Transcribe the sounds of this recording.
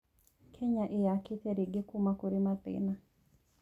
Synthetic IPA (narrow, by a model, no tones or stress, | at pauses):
kʰeɲaʔejakɪt̪eɾiɡɪkumakuɾimat̪ɪ̰na